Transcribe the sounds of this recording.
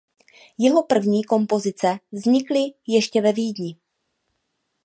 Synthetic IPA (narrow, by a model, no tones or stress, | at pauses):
jɛɦo̞pr̩vɲiːko̞mpo̞zɪt͡sɛvzɲɪklɪjɛʃcɛvɛviːdɲɪ